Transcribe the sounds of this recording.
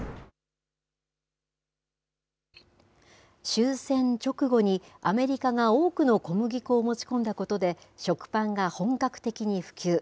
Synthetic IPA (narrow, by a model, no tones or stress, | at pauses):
ɕɨːsẽ̞ɲt͡ɕo̞kɯ̟ɡo̞ɲ̟iame̞ɾʲikaŋao̞ːkɯ̟no̞ko̞mɯ̟ɡʲikoːmo̞t͡ɕi̥kõ̞nd̪ako̞t̪o̞d̪e̞ | ɕo̞kɯ̟̥pãŋɡahõ̞ŋkakɯ̥t̪e̞kʲiɲ̟iɸɯ̟̥kʲɨː